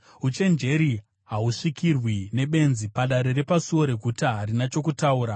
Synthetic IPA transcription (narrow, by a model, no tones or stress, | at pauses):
ut͡ʃe̞nd͡ʒe̞ɾi | ɦauʂikirwine̞ɓe̞nzipaɗaɾe̞ɾe̞pasuwo̞ɾe̞ɡʱutaɦaɾinat͡ʃo̞kutauːɾa